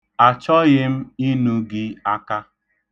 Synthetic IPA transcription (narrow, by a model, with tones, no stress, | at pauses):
a˨t͡ʃɔ˦ɣɪ˦m̩˦i˦nu˦ɡɪ˦a˦ka˦